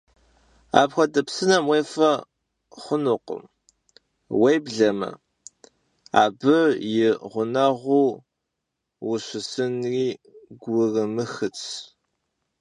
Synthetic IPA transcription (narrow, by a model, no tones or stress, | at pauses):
a̰ːpxʷɐdɐpsɨnɐmwejfɐ | χʷʊnʊqʊ̰m | wejbɮɐmɨ̰ | a̰ːbɨʕjɪʁʷʊnɐʁʷuː | wʊɕʷɪsɨnriːɡʷʊrɨmɨxɨt͡sʰ